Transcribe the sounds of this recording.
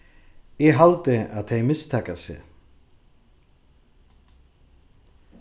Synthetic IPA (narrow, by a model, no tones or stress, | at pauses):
jɛɦalt̪ɪaðθejmɪst̪ʰɛːkasɪ̰